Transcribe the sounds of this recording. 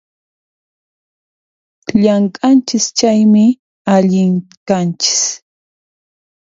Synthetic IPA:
ʎaŋkʼant͡ʃɪst͡ʃajmɪ | aʎɪŋkant͡ʃɪ̥s

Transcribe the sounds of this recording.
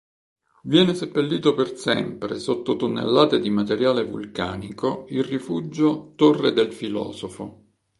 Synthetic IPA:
vjɛːnesepːelːiːt̪opersɛ̰mpɾesot̪ːot̪onːḛlːaːt̪ed̪imat̪eɾjaːlevṵlka̰ːnikoilrifud͡ʒːot̪orːed̪elfilɔ̰ːzofo

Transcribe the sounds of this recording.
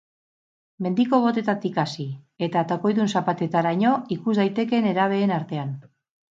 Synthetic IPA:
me̞nd̪iko̞β̞o̞t̪e̞t̪at̪ikasi | e̞t̪at̪oko̞jðunsapat̪e̞t̪aɾaɲo̞ikuzd̪ajt̪e̞ke̞ne̞ɾaβ̞e̞ːnaɾt̪e̞an

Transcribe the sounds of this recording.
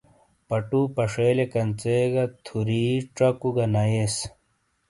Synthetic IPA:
pɐʈupɐʂeːlekɐnt͡seɡɐt̪ʰuɾiːʈ͡ʂɐkuɡɐnɐjes

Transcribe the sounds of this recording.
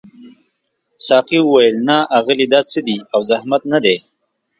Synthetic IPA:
sɑːqiwʊwajəlnaʔaɣəlid̪ɑt͡səd̪iawzahmat̪̚nad̪e

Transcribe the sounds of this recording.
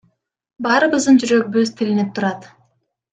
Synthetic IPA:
bɑːɾɯβɯzd̪ɯnd͡ʒyɾøɡ̚byzt̪ʰilinep̚t̪ʰuɾɑt̪

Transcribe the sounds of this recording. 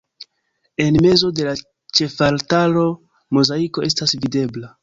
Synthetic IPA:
e̞nme̞zo̞de̞la | t͡ʃe̞faltalo̞ | mozaiko̞ʔe̞stasvide̞bla

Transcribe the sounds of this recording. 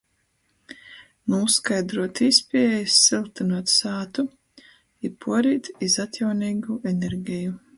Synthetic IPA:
nuskajd̪ɾuɔt̪ispʲiɛjsːilˠt̪inuɔt̪saːt̪u | ipʰuɔɾiːt̪izat̪ʲjawniːɡuʔɛnʲɛɾɡʲiju

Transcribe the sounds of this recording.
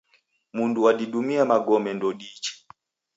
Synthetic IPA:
munduaɗiɗumiamaɡɔmɛndɔɗit͡ʃɛ̥

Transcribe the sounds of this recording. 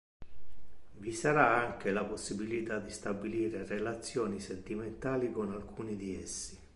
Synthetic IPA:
visaɾaaŋk̟elaposːibilit̪ad̪ist̪abiliːɾerelat̪sːjɔːnisent̪iment̪aːlikonalkʰuːnid̪iɛsːi̥

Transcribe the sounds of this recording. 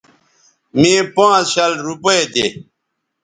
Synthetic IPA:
mẽːpãːt͡sɕɐlɾupɐet̪e

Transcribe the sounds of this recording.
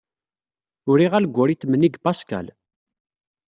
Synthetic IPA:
ʊɾiʁælɡʷːʊɾit̪ːmənːiɡbaska̰l

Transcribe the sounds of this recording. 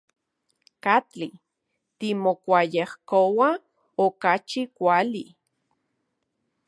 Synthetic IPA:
kat͡ɬi | t̪imokʷajehkowa | okat͡ʃikʷali

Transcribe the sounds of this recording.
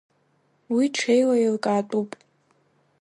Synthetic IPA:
wiʈ͡ʂʰejlailkʼaːtʼupʼ

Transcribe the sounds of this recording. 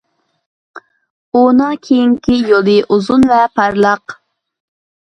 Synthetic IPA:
unɑkʲʰejiŋkʲʰijolˠɨʔuzunvɛpʰɑɾlˠɑq

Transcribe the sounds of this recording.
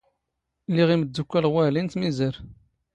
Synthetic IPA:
lːiʁiməd̪ːukʷːælʁwælint̪mizəɾ

